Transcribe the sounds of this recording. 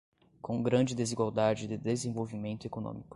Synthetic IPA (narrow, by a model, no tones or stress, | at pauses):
kõɡɾɐ̃d͡ʒɪd̪eziɡwawd̪ad͡ʒɪd̪ɪd̪ezẽvowvimẽnt̪ʊekonõ̰mikʊ̥